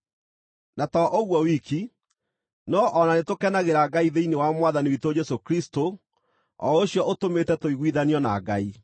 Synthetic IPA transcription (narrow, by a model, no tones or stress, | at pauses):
natɔʔoɣwɔwikʰi | nɔʔɔnanetokɛnaɣeɾaɡaiðeinewamwaðaniwitod͡ʒɛsokɾisto | ɔ̰oɕjɔʔotometɛtoiɣwiðaniɔna̰ɡa̰i